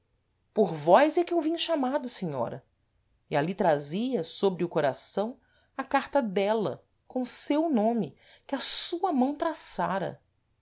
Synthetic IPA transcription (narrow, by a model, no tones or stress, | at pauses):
poɾvɔjzɛkɪewvĩɲʊʃamad̪ʊseɲɔ̰ɾɐ̰ | ɪalit̪ɾaziɐsobɾɪʊkoɾasɐ̃w̃ | ɐkaɾt̪ɐd̪ɛlɐ̰ | kõw̃sewnõmɪ | kɪɐsuɐmɐ̃w̃t̪ɾasaɾɐ̰